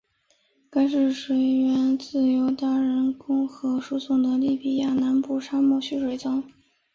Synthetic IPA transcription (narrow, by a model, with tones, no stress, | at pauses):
ka˥ɪʂɻ̩˥˩ʂwe˧˥ɪɥɛ˧˥nt͡sɹ̩˥˩jo˧˥ʊt̪a˥ɻə˧˥nkʊ˥ŋxɤ˧˥ʂu˥sʊ˨˩ŋd̪ə˧li˥˩pi˨˩ja˥˩na˧˥npu˥˩ʂa˥mɔ˥˩ɕy˥ʂwe˧˥ɪt͡sɑ˥ŋ